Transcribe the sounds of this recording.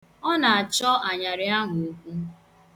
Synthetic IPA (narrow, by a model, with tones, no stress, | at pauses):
ɔ˦na˨a˨t͡ʃɔ˦ʔa˨ɲa˨ɾɪ˨a˦ɦʊ˨˦kʷu˦